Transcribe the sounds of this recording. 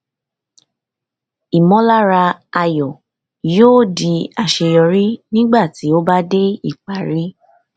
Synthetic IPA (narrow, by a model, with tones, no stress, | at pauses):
i˨mɔ̃˨˦la˦ɾa˧a˧jɔ˨ | joː˦˨di˧a˨ʃe˧jɔ˧ɾi˦nĩ˦ɡ͡ba˦˨ti˨˦o˦ba˦de˦i˦˨k͡pa˨ɾi˦